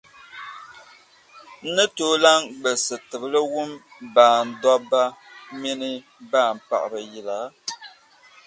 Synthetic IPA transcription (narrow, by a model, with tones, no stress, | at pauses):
n̩˦nɨ˦toː˦la˦ŋɡ͡bə˨sɨ˨tɨ˨bɨ˦lɨ˦wu˦mbaː˨n̩˨dɔ˦ba˦mi˦nɨ˦ | baː˦˨m̩˨pa̰˨ʔɨ˨ɾɨ˨ji˨la˨˦